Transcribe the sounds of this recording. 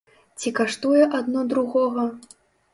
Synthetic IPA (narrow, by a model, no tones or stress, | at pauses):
t͡sʲikaʂt̪ujɛʔad̪nɔd̪ɾuɣɔɣɐ